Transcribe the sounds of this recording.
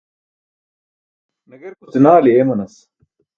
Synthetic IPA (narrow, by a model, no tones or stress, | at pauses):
nɐɡɐɾkut̪inaːliemɐnɐs